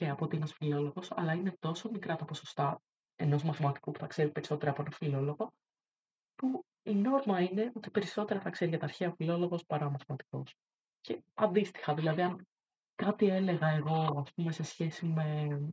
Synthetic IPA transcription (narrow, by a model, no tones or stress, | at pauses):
ceɐpot̪ienɐsfilo̞lo̞ɣo̞sɐ̰lɐine̞t̪o̞so̞mikɾɐt̪ɐpo̞so̞st̪ɐ | e̞no̞zmɐθimɐt̪i̥kupu̥θɐkse̞ɾipe̞ɾiso̞t̪e̞ɾɐːpo̞nɐfilo̞lo̞ɣo | pu | ino̞ɾmɐine̞o̞t̪i̥pe̞ɾiso̞t̪e̞ɾɐθɐkse̞ɾiʝɐt̪ɐːɾçeɐofilo̞lo̞ɣo̞spɐɾɐomɐθimɐt̪i̥ko̞̰s | ce̞ɐnd̪ist̪i̥xɐðilɐðiɐn | kɐt̪ie̞le̞ɣɐe̞ɣo̞ɐspume̞se̞sçe̞sime̞